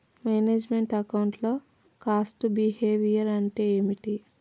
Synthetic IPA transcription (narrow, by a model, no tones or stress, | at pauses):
meːneːd͡ʒmeɳʈɐkɐwɳʈlo̞ː | kaːsʈbiheːʋijɐɾɐɳʈeːmiʈi